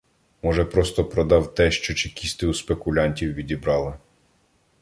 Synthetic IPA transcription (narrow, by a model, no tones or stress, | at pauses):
mɔʒɛpɾɔst̪ɔpɾɔd̪ɑwt̪ɛʃt͡ʃɔt͡ʃɪkʲisʲt̪ɪuspekʊlʲɑnʲtʲiwʋʲidʲibɾɑlˠɪ